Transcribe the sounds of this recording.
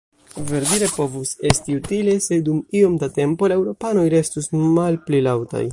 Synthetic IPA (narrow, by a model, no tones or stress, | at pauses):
ve̞ɾdiɾe̞po̞vuse̞stiutile̞se̞dumio̞mdate̞mpo̞lae̞wɾo̞pano̞jɾe̞stusmalplilawta̰j